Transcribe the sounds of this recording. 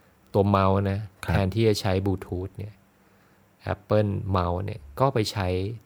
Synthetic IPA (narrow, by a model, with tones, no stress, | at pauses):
t̪u˧ɐma˦˥wna˦˥pʰɛː˧nt̪ʰiː˥˩t͡ɕa˨˧t͡ɕʰa˦˥jbuː˧˩t̪ʰuː˦˥t̪̚ni˥˩ɐ | ʔɛ̰˦˥pːɤ˥˩nma˧˥wnḭ˥˩ɐkɔː˥˩pa˧jt͡ɕʰa˦˥j